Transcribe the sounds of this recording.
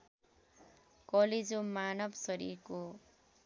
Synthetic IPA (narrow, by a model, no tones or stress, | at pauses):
kʌled͡zomanʌbsʌɾḭrko